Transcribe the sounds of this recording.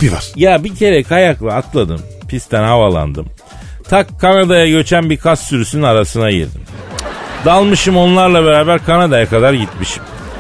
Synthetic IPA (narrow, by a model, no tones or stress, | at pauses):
bivaɾjaːbicʰe̞ɾecʰajaklˠaːklˠad̪ɯm | pʰist̪ʰænɦavalˠa̰nd̪ɯm | t̪ʰakʰːanad̪ajaɟø̞t͡ʃʰænbikʰast̪syɾysynynaɾasɯnajḭɾd̪ḭm | d̪alˠmɯʃɯmo̞nlˠaɾlˠabeɾaːbæɾkʰanad̪ajakad̪aɾɟit̪miʃi̥m